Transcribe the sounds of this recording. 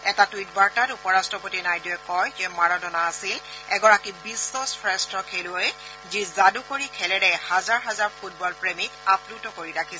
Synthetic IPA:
ɛtatuit̚baɹtatupɔɹastɹɔpotinajdiɛkɔjzɛmaɹɔdɔnaːsilɛɡɔɹakibisɔsfɹɛstɹɔkʰeluj | zizadukoɹikʰɛlɛɹɛhazaɹɦazaɹpʰut̚bɔlpɹemitaplutɔkoɹiɹakʰisɛ

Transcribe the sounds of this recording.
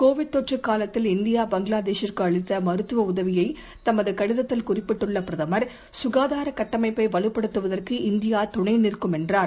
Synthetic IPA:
koːʋɪʈ̚t̪ːɔʈrɯkːaːlɐt̪ːɪlɪnd̪ɪjaːbɐŋɡɪlaːd̪eːʂɪrkɯɐɭɪt̪ːɐmɐɾɯt̪ːɯʋɐʊðɐʋɪjɐɪ | t̪ɐmɐðɯkɐɽɪðɐt̪ːɪlkʊrɪpːɪʈːɯɭːɐpɪɾɐðɐmɐɾ | sʊɣaːðaːɾɐkɐʈːɐmɐɪpːɐɪʋɐɭɯpːɐɽɯt̪ːɯʋɐðɐrkɯɪnd̪ɪjaːt̪ʊɳɐɪnɪrkɯmɛndraː

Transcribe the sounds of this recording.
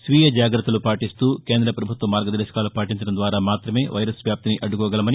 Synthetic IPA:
sʋiːjɐd͡ʒaːɡɾɐt̪ːɐlupaːʈist̪uːke̞ːnd̪ɾɐpɾɐbʱut̪ʋɐmːaːɾɡɐd̪ɐɾʃɐ̥kaːlupaːʈiɲt͡ʃɐɽɐmnd̪ʋaːɾaːmaːt̪ɾɐme̞ːʋʔɐ̰jɾɐsʋjaːp̚t̪iniʔɐɖːukɔːɡɐlɐmɐni

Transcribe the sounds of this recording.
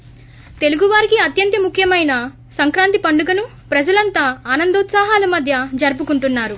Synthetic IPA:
t̪e̞luɡuʋaːɾikiɐt̪jɐnt̪jɐmukʰjɐmɐjnɐ | sɐŋkɾaːnt̪ipɐɳɖuɡɐnu | pɾɐd͡ʒɐlɐnt̪aːaːnɐnd̪ɐːt̪saːɦaːlɐmɐd̪ʱjɐd͡ʒɐɾp̬ukuɳʈunːaːɾu

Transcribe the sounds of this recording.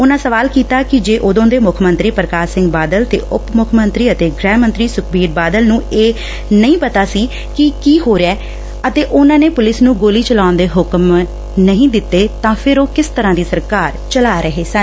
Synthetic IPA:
ʊnãːsəʋaːlkiːt̪aːkɪd͡ʒeːʔʊd̪õːd̪eːmʊkʰmə̃nt̪ɾiːpəɾəkaːsɪ̃ŋɡ̚baːd̪əlt̪ḛːʔʊpmʊkʰmənt̪ɾiːət̪eːɡɾɛ̃ːmə̃nt̪ɾiːsʊkʰbiːɾbaːd̪əlnũːeː | nəĩːpət̪aːsiː | kɪkiːɦoːɾeɛː | ət̪eːʔʊnãːneːpʊlɪsnũːɡoːliːt͡ʃəlaːʊnd̪eːɦʊkm | nəɦĩːd̪ɪt̪ːeːt̪ãːpʰɪɾoːkɪst̪əɾãːd̪iːsəɾkaːɾt͡ʃəlaːɾəɦeːsə̃n

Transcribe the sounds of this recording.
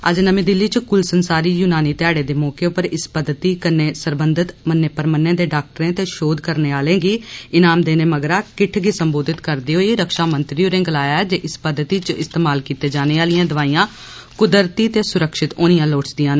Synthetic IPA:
ə̰d͡ʒnəmĩːd̪ɪlːiːt͡ʃkʊlsənsaːɾiːjuːnaːniːt̪ɪɛːɽeːd̪eːmɔːkeːʊpəɾɪspəd̪t̪iːkənːeːsəɾbənd̪ɪt̪mənːeːpəɾmənːẽːd̪eːɖaːk̚ʈəɾẽːt̪eːʃoːd̪kəɾneːaːlẽːɡiːɪnaːmd̪eːnẽːməɡɾaːkɪʈʰɡiːsəmboːd̪ɪt̪kəɾd̪iːɦoːiːɾəkʃaːmənt̪ɾioːɾẽːɡəlaːjaːɛːd͡ʒeːʔɪspəd̪ːt̪iːt͡ʃɪst̪eːmaːlkiːt̪eːd͡ʒaːneːaːlijãːd̪əʋaːiːãː | kʊd̪əɾt̪iːt̪eːsʊɾəkʃɪt̪oːnijãːloːʈsd̪ijãːnː

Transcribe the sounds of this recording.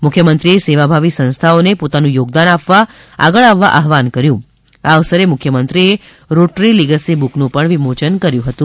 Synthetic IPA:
mʊkʰjəmənt̪ɾieseʋabʱaʋisə̃nst̪ʰaonepot̪anũjoɡd̪anapʋa | a̰ɡəɭaʋːa̰ʔaɦʋankəɾjũ | aʋsəɾemʊkʰːjəmənt̪ɾie | ɾoʈɾiliɡəsibuknũpəɳʋimot͡ʃənkəɾjũɦət̪ũ

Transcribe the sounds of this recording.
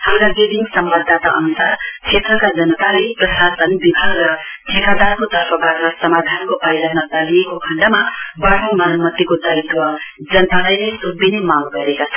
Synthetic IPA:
tʰawɾaɡediŋsʌmbad̪ʱːat̪aʔʌ̰nusart͡sʰet̪rʌkad͡zʌnʌt̪aleprʌsasʌnbibʱaɡrʌt̪ʰekad̪arkot̪ʌɾpʰʌbʱaɡrʌsʌmad̪ʱankopajlanmʌd͡zaliekokʰʌɳɖamabaɽimʌnʌmʌt̪ːikod̪ajt̪wʌd͡zʌnət̪alʌjlesubinemãŋɡʌɾekat͡sʰ

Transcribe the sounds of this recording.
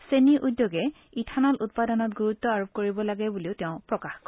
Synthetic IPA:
seniʔudjoɡɛ | itʰanalut̚padɔnɔt̚ɡuɹutːɔaɹup̚koɹibɔlaɡɛbuliʊtɛʊ̃pɹɔkaxk

